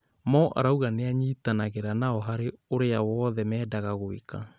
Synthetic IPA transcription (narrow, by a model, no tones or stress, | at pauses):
mɔʔa̰ɾauɣaneaɲiːtanaɣeɾanaɔɦaɾeoɾeawɔːðɛmɛːdaɣaɣoḭka̰